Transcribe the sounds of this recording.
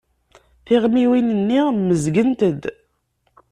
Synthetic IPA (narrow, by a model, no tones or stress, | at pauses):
θɪʁmiwinənːiməzɡənt̪əd̪